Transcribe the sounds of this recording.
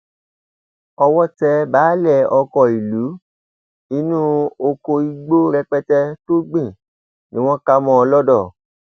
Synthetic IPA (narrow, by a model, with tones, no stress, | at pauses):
ɔ˧wɔ˦tɛ˧baː˨˦lɛ˦˨ɔ˧kɔ˨i˨lu˨˦ | i˦nũː˦o˧ko˧i˧ɡ͡bo˦ɾɛ˧k͡pɛ˦tɛ˦to˦ɡ͡bĩ˦˨ | nĩ˦w̃ɔ̃˦ka˦mɔ̃˧˦ɔ˧lɔ˦dɔ˦˨